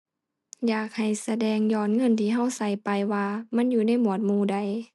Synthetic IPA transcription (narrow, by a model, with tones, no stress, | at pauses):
jaː˨˩k̚ha˨˩jsa˧dɛː˧ŋjɔː˧˩nŋɤ˧˥˨nt̪ʰiː˧˩ɦa˧˥˨wsa˧˩jpa˨jwaː˧ma˧˥˨njuː˧na˧˥˨jmu˧˩ət̪̚muː˧˩da˧˩j